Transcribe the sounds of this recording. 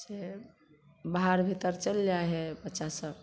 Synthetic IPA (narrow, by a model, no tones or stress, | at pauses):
se | baɦaɾbʱit̪əɾt͡ʃəld͡ʒaɦɛbətːʃasəb